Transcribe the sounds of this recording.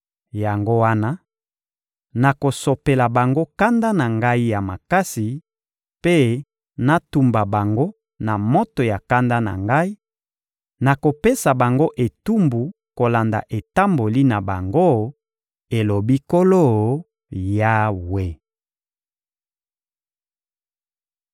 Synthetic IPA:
ja˨ŋɡo˦wa˦na˦ | na˨ko˨so˨pe˨la˨ba˨ŋɡo˦ka˦nda˦na˨ŋɡa˦i˦ja˨ma˨ka˦si˨ | pe˦ | na˦tu˨mba˨ba˨ŋɡo˦ | na˨mo˦to˨ja˨ka˦nda˦na̰˨ŋɡa˦i˦ | na˨ko˨pe˦sa˨ba˨ŋɡo˦ʔe˨tu˦mbu˨ | ko˨la˨nda̰˨ʔe˨ta˦mbo˨li˦na˨ba˨ŋɡo˦ | e˨lo˨bi˦ko˦lo˦˨ | ja˦we˦

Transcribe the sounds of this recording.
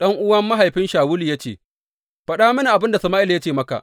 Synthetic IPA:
ɗɐ˦ŋʔʊ˦wɐ˦mːa˦ɦa˨jɸɪ˦nʃaː˨wʊ˦liː˨ja˦t͡ʃḛː˨ | ɸɐ˦ɗa˦mɐ˦ni˨ʔa˨bɪ˦nda˨sɐ˨maː˦ʔɪ˦lja˦t͡ʃeː˦˨mɐ˦ka̰˨ʔ

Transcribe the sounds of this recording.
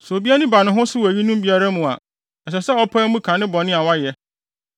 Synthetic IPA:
so˨bi˦a˦nɪ̃˦ba˨nʊ̃˦ɦʊ̃˦sɪ˦wæ˨ji˦nũ˦mbi˨˦a˦ɾa˦mʊ̃˨a̰˨ | ɛ˨ɕɛ˨sɛ˦ɔ˦pʰã˦mũ˦kʰã˨nɪ̃˦bɔ˨nɪ̃˦a˨wa˦jɛ˨

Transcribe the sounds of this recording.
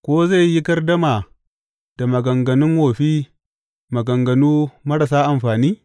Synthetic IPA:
kʷoː˦za˦˨jjːi˦kɐ˦rdɐ˦ma˨ | d̥a˨mɐ˨ɡɐ˨ŋɡɐ˨nɪ˦ŋwoː˨ɸiː˦ | mɐ˨ɡɐ˨ŋɡɐ˨nuː˦mɐ˦ɽɐ˨s̬aː˦ʔa˨mɸaː˨niː˦

